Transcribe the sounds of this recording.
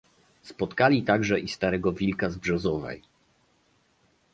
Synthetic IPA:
spɔt̪kalʲit̪aɡʐɛʔist̪aɾɛɡɔvʲilkazbʐɔzɔvɛ̰j

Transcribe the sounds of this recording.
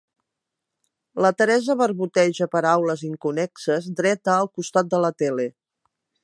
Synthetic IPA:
lət̪əɾɛzəβəɾβut̪ɛʒəpəɾawləziŋkunɛksəzd̪ɾɛt̪əːlˠkust̪at̪̚d̪ələt̪ɛle

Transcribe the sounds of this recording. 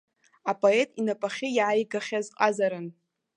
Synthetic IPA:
apʼo̞e̞tʼinapʼaχʲɪjʕajɡaχʲazqʼazaɾɨn

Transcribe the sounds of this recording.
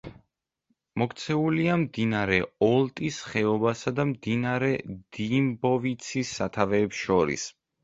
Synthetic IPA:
mɔkt̪sʰɛuliamd̪inaɾɛɔlˠt̪ʼisχɛɔbasad̪amd̪inaɾɛd̪̥imbɔvit̪sʰisːat̪ʰavɛːpsʃɔɾḭs

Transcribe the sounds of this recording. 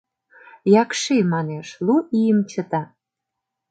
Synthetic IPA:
jɑkʃemɑneʃluijəmt͡ɕət̪ɑ

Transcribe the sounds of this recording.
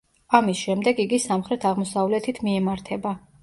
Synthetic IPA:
amisʃɛmd̪ɛɡiɡisamχɾɛt̪ʰaʁmɔsavlɛt̪ʰit̪ʰmiɛmaɾt̪ʰɛba

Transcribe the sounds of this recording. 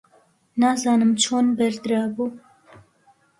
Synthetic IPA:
nazɑːnɨmt͡ʃʰoːnbɛɾd̪ɾɑːbu

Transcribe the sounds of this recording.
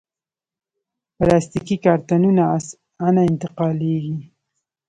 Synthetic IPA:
palɑst̪ikikɑɾt̪anuna | anaɪnt̪ɪqɑleɡi

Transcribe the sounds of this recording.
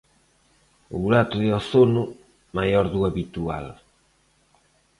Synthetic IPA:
uɾat̪uðeoθonu | majoɾðueβit̪ua̰l

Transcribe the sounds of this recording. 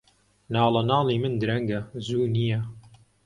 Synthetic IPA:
nɑːlɐnɑːlˠiːmɨnd̪ɨɾɐŋɡɐzuːnijɐ

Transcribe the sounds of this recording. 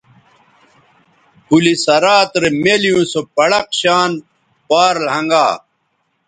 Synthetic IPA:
pulisɐɾaːt̪ɾemelijũsopɐɽɐqɕaːn | paːɾlɦɐŋɡaː

